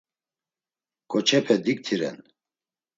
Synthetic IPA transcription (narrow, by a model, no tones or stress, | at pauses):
kʼɔt͡ʃʰɛpʰɛd̪ik̚t̪ʰiɾɛ̰n